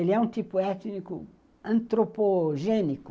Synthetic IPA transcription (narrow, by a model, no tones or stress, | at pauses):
eliɛũnt̪ipʊɛt̪nikʊ̰ | ɐ̃nt̪ɾopoʒẽnikʊ